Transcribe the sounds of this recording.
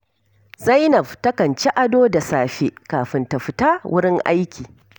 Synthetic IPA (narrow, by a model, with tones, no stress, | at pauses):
za˦jnɐ˨ɸtɐ˦kɐ˨nt͡ʃe˦ʔa˦doː˦da˨saː˨ɸe˦kaː˨ɸɪ˦nta˨ɸɪ˦taː˦wʊ˦ɽɪ˦ŋʔa̰˦jkʲʰiː˨